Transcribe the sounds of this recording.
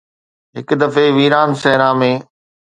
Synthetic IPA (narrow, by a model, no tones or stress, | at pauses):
ɦɪkd̪ɐfeʋiːɾaːnsɛɦɾãːmẽː